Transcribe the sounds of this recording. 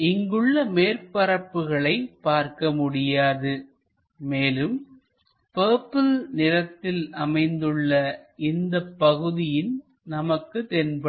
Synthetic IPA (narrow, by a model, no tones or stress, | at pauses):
ɪŋɡɯɭːɐmeːrpɐɾɐpːɯɣɐɭɐɪpːaːɾkɐmʊɽɪjaːðɯ | meːlɯm | peːpːɯlnɪɾɐt̪ːɪlʔɐmɐɪnd̪ɯɭːɐɪnd̪ɐpːɐɣɯðɪjɪn | nɐmɐkːɯt̪ɛnbɐ